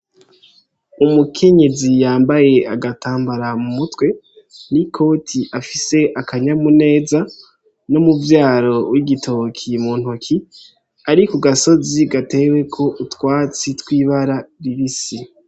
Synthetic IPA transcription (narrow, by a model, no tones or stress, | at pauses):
umukʰe̞ɲe̞zijaːmbaje̞aɡataːmbaɾamumutwe̞ | nikʰo̞tʰiʔafise̞ʔakaɲamune̞ːza | no̞muvjaːɾo̞wʔiɡitʰo̞kʰimuːn̥hokʰi | aɾikuɡaso̞ziɡate̞we̞kʰo̞ʔutwaːt͡sitwiːβaɾaɾiβisi